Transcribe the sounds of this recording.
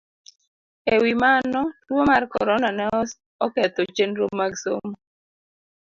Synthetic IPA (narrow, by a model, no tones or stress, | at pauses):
ewimanɔtwomarkɔ̰ɾɔnanɛɔs | ɔkɛt̪ot͡ʃenɾomːaɡsomo